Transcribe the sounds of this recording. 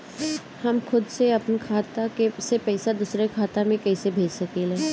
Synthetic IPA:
hɐmxʊd̪seɐpnkʰaːt̪akesepɛːsad̪usɾekʰaːt̪amẽkɛːsebʱeːd͡ʒsɐkelɛː

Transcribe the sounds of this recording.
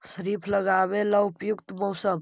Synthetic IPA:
ʃəɾiːpʰlɐɡaːʋelɐʊpjʊkt̪mɔʊsəm

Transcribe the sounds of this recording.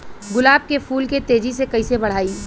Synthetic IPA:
ɡʊlaːb̚kepʰuːlket̪eːd͡ʒisekɐisebɐɽ̤aːiː

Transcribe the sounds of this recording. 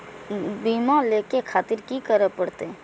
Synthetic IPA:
biːmaleːkekʰaːt̪ɪɾkikəɾəpəɽt̪e

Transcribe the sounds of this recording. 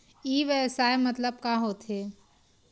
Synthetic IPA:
iːʋɛsaːemɐt̪ləb̚kaːɦot̪ɦeː

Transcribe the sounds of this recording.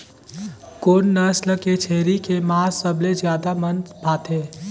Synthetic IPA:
koːnːəsləket͡ʃʰeːɾikemaːsəbled͡ʒjaːd̪amənbʱaːt̪ɦeː

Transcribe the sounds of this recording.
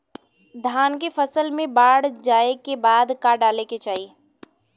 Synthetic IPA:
d̪ʱaːnkefəsəlmẽbaːɽd͡ʒaːekebaːd̪kaːɖaːleket͡ʃaːiː

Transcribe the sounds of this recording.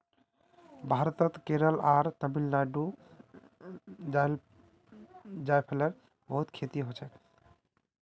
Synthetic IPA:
bʱaɾt̪ət̪keɾəlaɾt̪əbilːaɖu | al | d͡ʒajpʰeləɾ | bəɦut̪kʰet̪iɦot͡ʃʰɛ

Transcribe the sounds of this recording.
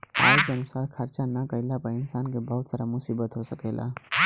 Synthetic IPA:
a̰keənusaɾkʰəɾt͡ʃanəkəɪlapəɪnsankebəɦut̪saɾamusibət̪ɦosəkəɪlʔa̰

